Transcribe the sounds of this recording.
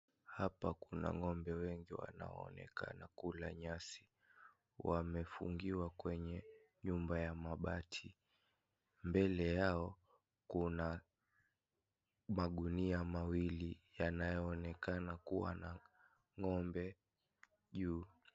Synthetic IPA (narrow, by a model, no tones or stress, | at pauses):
hapakuna̰ŋɔmbɛwɛŋɡiwa̰na̰ɔɔ̰nɛ̰ka̰nakulaɲasi̥ | wamɛfṵŋɡiwakwɛɲɛɲumbajamaɓatʰi | mbɛlɛjaɔ | kuna | maɠuniamawilijanajɔːnɛkanakuwa̰na | ŋɔmbɛ | ʄuː